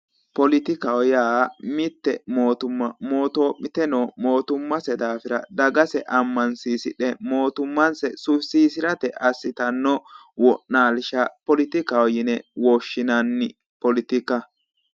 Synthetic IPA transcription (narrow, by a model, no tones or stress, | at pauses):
pɔlɪt̪ɪkɐɔjaːmɪt̪ːɛmo̞ːt̪ʊmːɐmo̞ːt̪oːmɪt̪ɛnoːmo̞ːt̪ʊmːɐsɛd̪aːfɪɾɐ̰d̪ɐɡɐsɛʔɐmːɐnsiːsɪɗɛmo̞ːt̪ʊmːɐnsɛsʊsiːsɪɾɐt̪ɛʔɐsːɪt̪ɐnːɔ | wɔʔnaːlʃɐpɔlɪt̪ɪkawɔjɪnɛwɔːʃːɪnɐnːɪ | pɔlɪt̪ɪkɐ